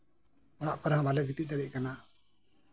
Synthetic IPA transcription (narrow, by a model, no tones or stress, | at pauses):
ɔɽ̃a̰ʔpaɾɦãbalɛɡit̪iʔ̚d̪aɾiʔkana